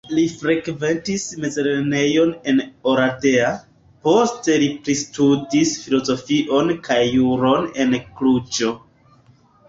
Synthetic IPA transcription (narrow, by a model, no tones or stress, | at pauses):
lifɾe̞kve̞ntisme̞zeɾene̞jo̞ne̞no̞ɾate̞a | po̞ste̞lipɾistudisfilo̞zo̞fiʔo̞nkajːuɾo̞ne̞nklut͡ʃo̞